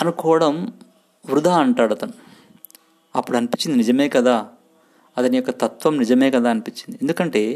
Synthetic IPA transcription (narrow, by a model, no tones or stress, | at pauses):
ɐnukɔːɐɽɐm | ʋɾud̪ʱaːɐɳʈaːɽɐt̪ɐnu | ɐpːuɽɐnipit͡ʃːind̪inid͡ʒɐme̞ːkɐd̪aː | ɐt̪ɐnijɔkːɐt̪ɐt̪ʋɐmnid͡ʒɐme̞ːkɐd̪aːɐnipit͡ʃːind̪iend̪ukɐɳʈe̞ː